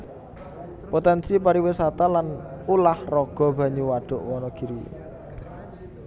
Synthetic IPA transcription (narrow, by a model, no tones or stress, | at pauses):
pot̪ɛnsipaɾiwesat̪alanulahrɔɡ̥ɔ̤b̥ä̤ɲuwaɖ̥ɔ̤ʔwɔnɔɡ̥i̤ɾi